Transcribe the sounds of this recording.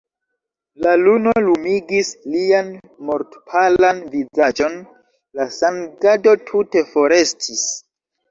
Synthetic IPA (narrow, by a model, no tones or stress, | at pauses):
laluno̞lumiɡislian | mo̞ɾtpʰalanvid͡zad͡ʒo̞n | lasanɡado̞tʰute̞fo̞ɾe̞stʰis